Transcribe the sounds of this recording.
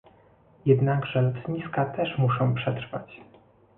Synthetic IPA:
jɛd̪naɡʐɛlut̪ɲiskat̪ɛʂmuʂɔ̃w̃pʂɛt̪ɾfat͡ɕ

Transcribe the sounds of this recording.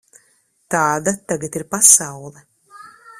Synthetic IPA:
t̪aːd̪at̪aɡat̪iɾpasawlˠɛ

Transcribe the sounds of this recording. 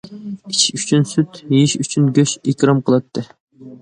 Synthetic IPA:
it͡ʃyt͡ʃʰynsyt̪iʃyt͡ʃʰynɡʲøʃekʲɾɑmqʰəlˠɑt̪ʰːɨ

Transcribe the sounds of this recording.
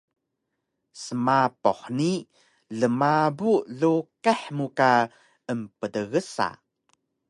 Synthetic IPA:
səmapɔħni | ɮəmabuɮukaħmuka | əmpədəɣəsa̰

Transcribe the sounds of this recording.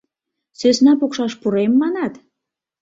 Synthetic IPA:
sesnɑpokʃɑʃpuɾemːɑnɑt̪

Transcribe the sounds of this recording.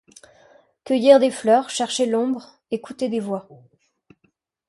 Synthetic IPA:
kʲœjiʁd̪eflœʁʃɛʁʃelɔ̃bʁ | ekut̪ed̪evwa

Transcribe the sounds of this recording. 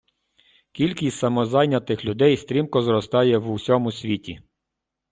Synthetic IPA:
kʲilʲkʲisʲt̪ʲsɐmɔzɑjnʲɐt̪ɪxlʲʊd̪ɛjst̪ɾʲimkɔzɾɔst̪ɑjɛwusʲɔmʊsʲʋʲitʲḭ

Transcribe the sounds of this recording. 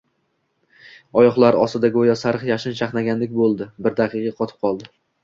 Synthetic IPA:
ɒjɒχlˠaɾɒsɪd̪aɡʲojɒsaɾɨχjaʃɪnʃʰaχnaɡʲanlɪkʲbolˠd̪ɪbɪɾd̪aqʰɨqɑqʰɒt̪ʰɪ̥p̚qʰɒlˠd̪ɪ

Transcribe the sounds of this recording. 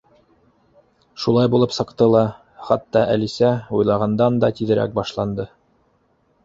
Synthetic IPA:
ʃulˠɑjbulˠɤpsɤ̆qt̪ɤlˠɑ | χɑt̪ːɑʔælisæujlˠɑʁɑnd̪ɑnd̪ɑt̪iðɘ̆ɾæ̰k̚bɑʃlˠɑnd̪ɤ

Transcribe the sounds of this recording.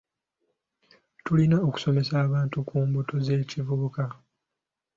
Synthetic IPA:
tulinaoku̥so̞me̞saːβaːntukʰuːmbuto̞ze̞ːcivuβuka

